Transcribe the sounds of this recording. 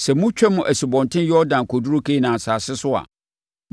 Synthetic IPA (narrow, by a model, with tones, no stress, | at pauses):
sɛ˨mʊ̃˦t͡ɕᶣɛ˦mʊ̃˨ʔæ˨si˨bɔ̃˨ntʰɪ̃˦njɔ˦ɾdã˨nkʰɔ˨du˦ɾʊ˦kʰe˦nã˨saː˨sɪ˦sʊ˦a̰˨ | m